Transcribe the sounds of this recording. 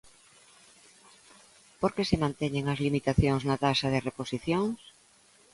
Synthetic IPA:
poɾkesemãnt̪eɲeŋɐzlimit̪aθjoŋznat̪asɐð̞ɪreposiθjoŋs

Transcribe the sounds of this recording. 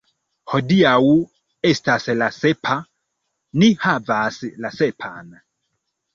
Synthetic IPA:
hɔdiawu | ɛstasɛlasɛpʰa | nihavasilasɛpʰa̰na

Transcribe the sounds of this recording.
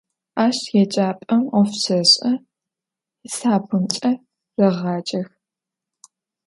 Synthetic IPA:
aːʃtʰjɛt͡ʃʼaːpʼɐmɔfsɐɕʼɐ | saːpʰɨnt͡ʃʼɐ | rɐʁɑːt͡ʃʼɐx

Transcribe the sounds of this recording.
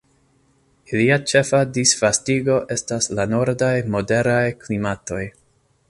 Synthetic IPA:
iliat͡ʃe̞fadisfastiɡo̞ʔe̞staslano̞ɾdajmo̞de̞ɾajklimato̞j

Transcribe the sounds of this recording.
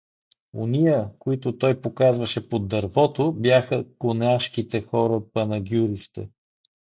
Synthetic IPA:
o̰nijəkoit̪ʊt̪ɔjpokazvɐʃɛpod̪ːɐɾvɔt̪objaxəkonaʃkit̪ɛxɔɾəpɐnɐɡʲjuɾist̪ɛ̰

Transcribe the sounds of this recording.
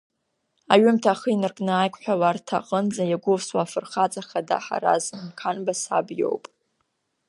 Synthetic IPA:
aɥʏmtʰaχəinɨrkʼnɨajkʷʰʼħʷᶣawartʰa̰qʼənd͡zajaɡʷʊvswaːfɨrχat͡sʼaχada̰ħa̰ɾa̰znkʰanbasa̰bjo̞̰wpʼ

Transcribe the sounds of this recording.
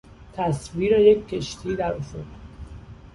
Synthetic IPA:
t̪ʰæsviːɾejecʲʰːeʃt̪ʰiːd̪æɾofod̪

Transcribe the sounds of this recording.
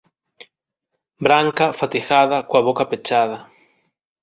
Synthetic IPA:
bɾaŋkafat̪ixaðakwaβ̞okapet͡ʃað̞a

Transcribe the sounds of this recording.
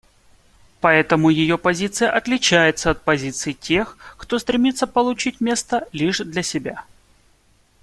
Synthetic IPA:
pɐɛt̪əmʊjɪjo̞pɐzʲit̪sɨjəʔɐt̪lʲɪt͡ɕæjɪt̪səɐt̪̚pɐzʲit̪sɨjtʲʰe̞xkt̪ost̪ɾʲɪmʲit̪səpəlˠʊt͡ɕitʲmʲe̞st̪əlʲiʂd̪lʲɐsʲɪbʲa

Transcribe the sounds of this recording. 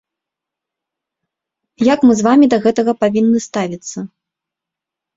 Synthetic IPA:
jakmɨzvamʲid̪ɐɣɛt̪ɐɣɐpavʲinːɨst̪avʲit̪sːɐ

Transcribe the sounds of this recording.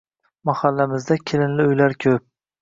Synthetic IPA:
mahalːamɪzd̪akʲʰɪlɪnlɪʊjlaɾkʲʰɵp̚

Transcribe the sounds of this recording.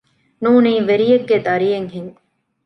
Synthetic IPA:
nuːniːʋeɾijeɡːed̪ɐɾijeŋɦiŋ

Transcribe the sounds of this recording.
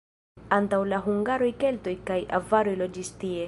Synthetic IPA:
antawlaɦuŋɡaɾo̞jke̞lto̞jkaja̰vaɾo̞jlo̞d͡ʒistie̞

